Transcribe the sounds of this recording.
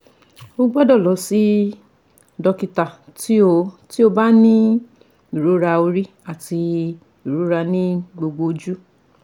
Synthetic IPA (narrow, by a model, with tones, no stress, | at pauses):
o˧˦ɡ͡bɔ˦dɔ˦˨lɔ˨˦si˦ | dɔ˧ki˧ta˨ti˦o˧ti˦o˧ba˦nĩ˦ | i˦˨ɾo˨˦ɾa˧o˧ɾi˦ | a˦˨ti˧ | i˨ɾu˨˦ɾa˧nĩ˦ɡ͡bo˧ɡ͡bo˧d͡ʒu˦